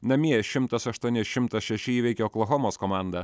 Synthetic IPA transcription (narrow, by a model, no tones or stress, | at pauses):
nɐmʲiɛʃʲɪmt̪ɐsɐʃt̪uɔnʲɪsʃʲɪmt̪ɐsʃʲɛʃʲɪiːʋʲɛɪkʲɛklˠɔxɔmoːskɔmɑˑnd̪ɐ